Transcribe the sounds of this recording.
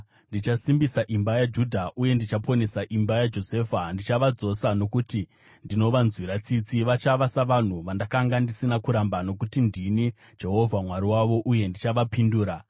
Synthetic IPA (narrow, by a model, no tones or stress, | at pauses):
ndit͡ʃasimbisaʔimbajad͡ʒudʱaʔuje̞ndit͡ʃapo̞ne̞saʔimbajad͡ʒo̞seːfandit͡ʃaʋad͡zo̞sano̞kuti | ndino̞ʋanzwiɾat͡sit͡siʋat͡ʃaʋasaʋan̤uʋandakaŋɡandisinakuɾambano̞kutindini | d͡ʒe̞ɦo̞vʱamwaɾiwaʋo̞ʔuje̞ndit͡ʃaʋapinduːɾa